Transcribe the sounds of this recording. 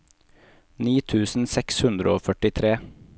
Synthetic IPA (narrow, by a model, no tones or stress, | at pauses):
niːt̪ʰʉːsn̩sɛkshʉnd̪ɾəoːfœʈɪt̪ʰɾeː